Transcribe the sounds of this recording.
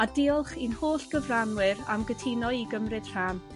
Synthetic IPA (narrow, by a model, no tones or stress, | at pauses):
adɪɔlˠχinhoːɬɡ̥əvranwɪɾa̰mɡətʰɪnɔiɡəmrɨd̥r̥an